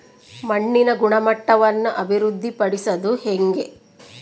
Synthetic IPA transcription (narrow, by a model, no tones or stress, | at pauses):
mɐɳːinɐɡuɳɐmɐʈːɐʋɐnːuʔɐbʱiɾud̪ʱːipɐɽisɐd̪uheŋɡe̞